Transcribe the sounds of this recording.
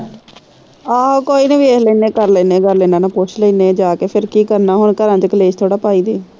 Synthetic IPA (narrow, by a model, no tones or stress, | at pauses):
aːkoːiːnəʋiːesləiːnẽːkəɾleːnẽːɡəɾleːnãːnãːpʊt͡ʃləiːneːd͡ʒaːkeːpʰɪɾkiːkəɾnaːɦʊɳkəɾãːd̪iːkəleːd͡ʒt̪ʰoːɽaːpaːiːd̪iː